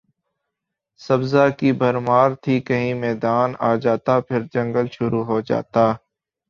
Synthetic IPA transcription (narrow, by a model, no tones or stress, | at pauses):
sɐbzakibɐɾmaːɾt̪ʰikɐɦĩmɛːd̪aːnaːd͡ʒaːt̪apʰɪɾd͡ʒɐ̃ŋɡəlʃʊɾuɦod͡ʒa̰ːt̪aː